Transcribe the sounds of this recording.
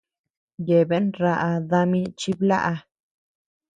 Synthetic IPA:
je˨be˦nɾa˧ʔa˧ða˧mĩ˧t͡ʃi˧bla̰˦ʔa˧

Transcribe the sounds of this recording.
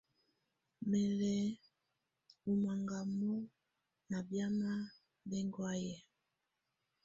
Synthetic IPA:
mɛ˨lɛ˨ | u˨ma˨ŋɡa˨mɔ˦ | na˨bja˦ma˦ | bɛ˦ŋɡwa˦jɛ˨

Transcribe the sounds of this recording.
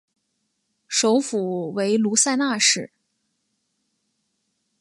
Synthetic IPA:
ʂo˧˥ʊfu˨˩we˧˥ɪlu˧˥sa˥˧ɪna˥˧ʂɻ̩˥˩

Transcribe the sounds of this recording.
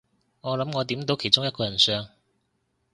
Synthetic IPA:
ŋɔː˨˧lɐ˨˧˥mŋɔː˨˧t̪̬iː˨˥mt̪o˨˧wkʰe˨˩jt͡sʊ˥ŋjɐ˥tkɔː˧jɐ˨˩nsœː˧ŋ

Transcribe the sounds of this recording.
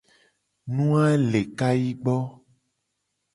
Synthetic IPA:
nũ˦a˦le˨ka˦ji˦ɡ͡bɔ˦

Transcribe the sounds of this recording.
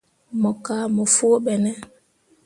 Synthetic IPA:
mɔ˨ka˦mo˨foː˦ɓɛ˨nɛ˦

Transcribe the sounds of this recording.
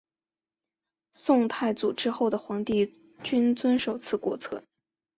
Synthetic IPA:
sʊ˥˧ŋt̪ʰa˥˩ɪt͡su˨˩ʈ͡ʂɻ̩˥xo˥˩ʊd̪ə˩xwɑ˧˥ŋt̪i˥˩ | t͡ɕy˥nt͡swə˥nʂo˨˩ʊt͡sʰɹ̩˥˩kwɔ˥t͡sʰɤ̰˥n

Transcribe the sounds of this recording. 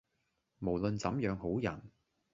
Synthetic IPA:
mo˨˩wlɵ˨˧nt͡sɐ˨˧˥mjœː˨˧˥ŋɦo˨˥wjɐ˨˩n

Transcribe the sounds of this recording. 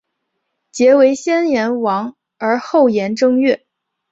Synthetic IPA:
t͡ɕjɛ˧˥we˧˥ɪɕjɛ˥njɛ˧˥nwɑ˧˥ŋ | ə˞˧˥xo˥˩ʊjɛ˧˥nʈ͡ʂɤ˥ŋɥɛ˥˩

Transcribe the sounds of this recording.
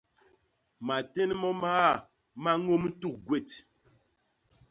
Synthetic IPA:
ma˨te˦nmɔ˦maː˦˨ | ma˦ŋo˦m̩˦tu˦˨k̚ɡwe˦˨t

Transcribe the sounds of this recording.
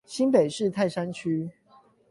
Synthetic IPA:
ɕi˦npe˨˩ɪʂɻ̩˥˨t̪ʰa˥˨ɪʂa˦nt͡ɕʰy˦˥

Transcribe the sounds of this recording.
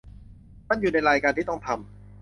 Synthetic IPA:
ma˥˨njuː˨˩na˧jɾaː˧jkaː˧nt̪ʰiː˥˩t̪ɔ˥˩ŋt̪ʰa˧m

